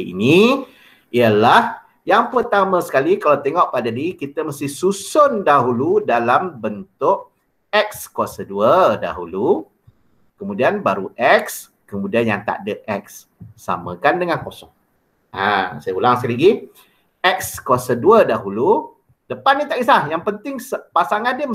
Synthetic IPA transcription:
ḭni | iəlah | jaŋpərt̪amə̃sə̥kalikalawt̪eŋɔʔpadadiikit̪əməst̪ɪhsusʊndaɦuludalambənt̪ʊʔ | ɛk̚skwasaduəda̰ɦṵlu | kəmũdianbaɾuʔɛk̚s | kəmũdianjaŋt̪a̰ʔdəʔɛk̚sː | a̰mə̰̃kandəŋankosɔ̰ŋ | a̰sajəulaŋsəkaliɡi | ɛk̚skwasəduədaɦulu | dəpanːit̪aʔislahjaŋpənt̪ɪŋsəpasaŋadəm

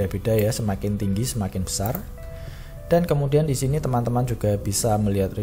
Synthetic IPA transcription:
ab̥id̥a̤jasəmakɪnt̪iŋɡisəmakɪnbə̥sar | d̥ankəmudiandisinit̪əmant̪əmand͡ʒuɡ̥ab̥isaməliɦat̪̚ri

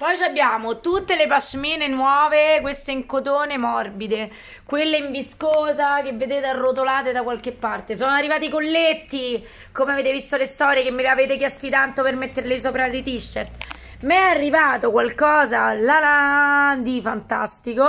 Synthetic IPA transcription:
pɔjt͡ʃabːjaːmot̪ut̪ːelepaʃmiːnenwɔːvekwest̪eiŋkot̪oːnemɔrbid̪e | kwelːeiɱviskoːzakevːed̪eːt̪earːot̪olaːt̪ed̪akwalk̟epːart̪esɔːnoarːivaːt̪ikolːet̪ːi | komeaveːt̪evist̪olest̪ɔːɾjekemːeleaveːt̪ekjɛst̪it̪ant̪opermet̪ːeɾlesoːpɾalit̪iʃːert̪ | mɛarːivaːt̪okwalkɔːzalalad̪ifant̪a̰st̪iko

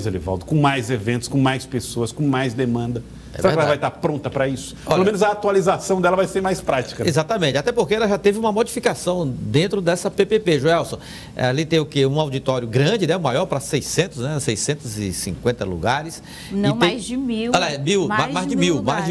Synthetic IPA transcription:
jzelɪ̰vɔ̰wt̪ɐ̥kõmajzevẽnt̪ʊskõmajspesoɐskõmajzd̪emɐ̃nd̪ɐ | eɛɛɾaɛɐɐvajt̪apɾõnt̪ɐpɾɐisʊ̥pɔloɐmẽnʊzɐat̪ualizasɐ̃w̃d̪ɛlɐvajseɾmajspɾat͡ʃi̥kɐezat̪ɐmẽnt͡ʃɪat̪ɛpoɾkeɛlɐʒat̪evɪũmɐmod͡ʒifikasɐ̃w̃d̪ẽnt̪ɾʊd̪ɛsɐpepepeʒuɛwsõ̰ | alit̪ẽj̃ʊkeũawd͡ʒit̪ɔɾjʊɡɾɐ̃d͡ʒɪnɛũmajɔɾpɾɐsejsẽnt̪ʊsnɛsejsẽnt̪ʊzɪsĩŋkwẽnt̪ɐ̰lṵɡaɾɪs | nɪ̃ẽɪmiwɛlɐɛmiwmmamajzd͡ʒɪmiwmajzd͡ʒ

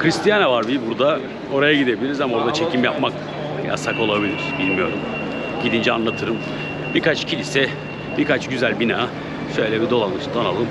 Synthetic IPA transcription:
kɾist̪ijanavaɾbibuɾd̪a | o̞ɾajaɟid̪ebilʲiɾizamao̞ɾd̪at͡ʃʰe̞cʰimjapmak | ja̰sako̞lˠabilʲiɾ̥bilʲmijo̞̰ɾum | ɟid̪ind͡ʒɛanlˠat̪ʰɯɾɯm | bikat͡ʃcʰilʲisɛ | biɾkat͡ʃɟyzælʲbinaː | ʃøjlʲɛbid̪o̞lˠanɯʃd̪analˠɯm

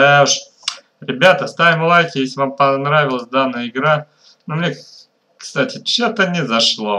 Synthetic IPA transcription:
d̪aʊʂ | ɾʲɪbʲat̪əst̪avʲɪmlˠajkʲɪjesʲɪvampɐnɾavʲɪlˠəsʲd̪anːəjəɪɡɾa | nomnʲe | kst̪atʲɪt͡ɕot̪ənʲɪzɐʂlˠo

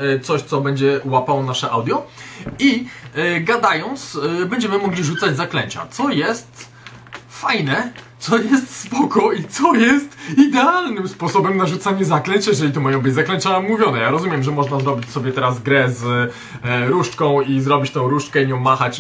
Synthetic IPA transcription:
t̪sɔɕt̪sɔbɛɲd͡ʑɛuwapawɔnaʂɛʔawd̪jɔi | ɡad̪ajɔnt̪sbɛɲd͡ʑɛmɘmɔɡlʲiʐut̪sad͡ʑzaklɛɲt͡ɕa̰t̪sɔjɛst̪ | fajnɛt̪sɔjɛst̪spɔkɔit̪sɔjɛst̪id̪ɛalnɘmspɔsɔbɛmnaʐut̪saɲɛzaklɛɲt͡ɕjɛʐɛlʲit̪umajɔ̃w̃bɘd͡ʑzaklɛɲt͡ɕamuvʲjɔnɛjaɾɔzumʲjɛmʐɛmɔʐnazɾɔbʲit͡ɕsɔbʲjɛt̪ɛɾazɡɾɛz | ɾuʂt͡ʂkɔ̃w̃izɾɔbʲit͡ɕt̪ɛ̃w̃ɾuʂkɛiɲɔ̃w̃mːaxat͡ɕ

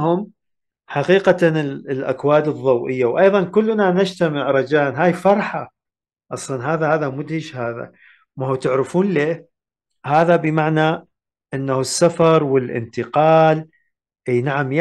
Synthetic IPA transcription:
hʊm | ħaqiːqaɪlʔa̰kwaːd̪ɨðˤːɑwʔɪjːawʔɑjðˤɑnkʊlːnanad͡ʒt̪amɪʕɾˤɑd͡ʒaːnɦaːjfɑɾˤħa | ʔɑsˤlɑnɦaːðahaːðamʊd̪hɪʃhaːða̰ | mahut̪ɪʕɾɪfuːnleː | haːðabɪmaʕna | ʔɪnːahsːafɑɾˤwɪlʔɪ̰nt̪ɪqɑːl | ʔiːnaʕamj

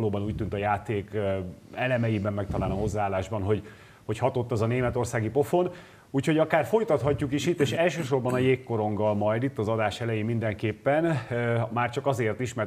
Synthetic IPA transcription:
loːbɒnuːc̚ʲt̪ynt̪ɒjaːt̪eːk | ɛlɛmɛjibɛmːɛk̚t̪ɒlaːlnɒɦo̞zːaaːlːaːʒbɒnɦo̞ɟ | ho̞chɒt̪o̞t̪ːɛzɒneːmɛt̪o̞rsaːɡipo̞fo̞n | uːcho̞ɟɒkaːrfo̞jt̪ɒt̪ɦɒcːukiʃit̪ːeːʃɛlʃøːʃo̞rbɒnɒjeːkːo̞ɾo̞ŋɡɒlmɒjd̪it̪ːɒzɒd̪aːʃɛlɛjeːmind̪ɛŋkeːpːɛnmaːrt͡ʃɒkɒzeːrt̪iʃmɛr

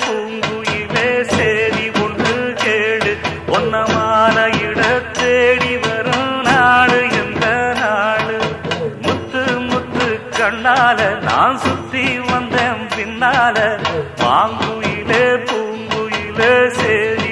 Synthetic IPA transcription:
puːŋɡɯjɪleːseːɾiɔɳdrɯkeːɽɯ | ɔnːɐmaːnɐɪɽɐt̪ːeːɽiʋɐɾɯnaːɽɯɛnd̪ɐnaːɽɯmʊt̪ːɯmʊt̪ːɯkɐɳːaːlɐna̰ːnsʊt̪ːiʋɐnd̪eːnpɪnːaːlɐʋa̰ːŋɡɯjɪleːp̪uːŋɡɯjɪleːseːɾi

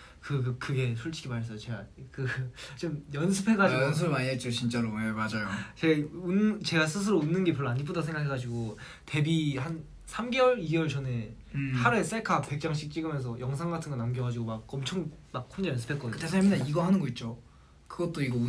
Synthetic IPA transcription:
kɯkɯɡe̞sʰuɭt͡ɕʰiɡʰimaɾʌs͈ʌjot͡ɕe̞ɡakɯt͡ɕ͈omjʌnsʰɯpʰe̞ɡad͡ʑiʌns̬ʰɯɭmaɲiɦet̚t͡ɕ͈ot͡ɕint͡ɕ͈aɾojemad͡ʑajot͡ɕeɡaunt͡ɕe̞ɡas̬ʰɯs̬ʰɯɾounːɯnɡe̞puɭːaɲip͈odasʰeŋɡakʰeɡad͡ʑiɡo | te̞bihan | sʰamɡewʌɭiɡwʌɭt͡ɕʌne̞ | haɾes͈aɭkʰape̞k̚t͡ɕ͈aŋɕ̬ʰik̚t͡ɕ͈iɡɯmjʌnsʰʌjʌŋsʰaŋɡatʰɯnɡʌnamɡjʌɡad͡ʑiɡomak̚ʌmt͡ɕʰʌŋmak̚k͈ʰond͡ʑajʌnsʰɯ̥pʰek͈ʌdkɯtesʰaɲimindaiɡʌɦanɯnɡʌit̚t͡ɕ͈o | kɯɡʌt̚t͈oiɡʌu

